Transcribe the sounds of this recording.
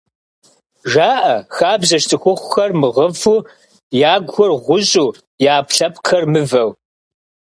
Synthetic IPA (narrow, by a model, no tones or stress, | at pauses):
ʒaːʔɐxaːbzɐʃtʰɨxʷʊχʷʊxɐrmɨʁɐfuː | jaːɡʷxɔrʁʷʊɕʼuː | jaːpɬɐpqʰɐrmɨvɐw